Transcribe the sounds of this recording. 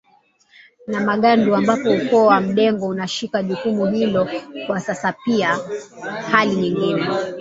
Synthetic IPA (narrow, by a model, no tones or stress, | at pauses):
namaɠanduambapɔukɔwam̩ɗɛŋɡɔunaʃikaʄukumuɦilɔkwasasapia | haliɲiŋɡinɛ